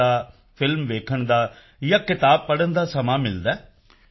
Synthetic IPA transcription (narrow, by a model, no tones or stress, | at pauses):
aː | pʰɪlmʋeːkʰəɳd̪aː | jaːkɪt̪aːb̚pəɽənd̪aːsəmaːmɪld̪ɛː